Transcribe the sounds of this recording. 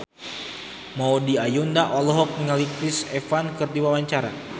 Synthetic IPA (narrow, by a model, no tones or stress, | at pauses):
maɔdiajundaʔɔlɔɦɔk̚niŋalikɾisɛfankɨrdiwawaɲt͡ʃaɾa